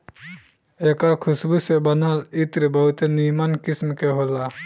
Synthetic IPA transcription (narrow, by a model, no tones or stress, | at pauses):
ekaɾkʰusbusebɐnalit̪ɾebɔwt̪enimankismkeɦola